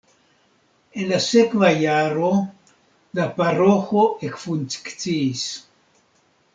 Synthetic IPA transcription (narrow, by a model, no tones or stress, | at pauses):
enlasekvajaɾo | laparoxoekfunt͡skt͡siːs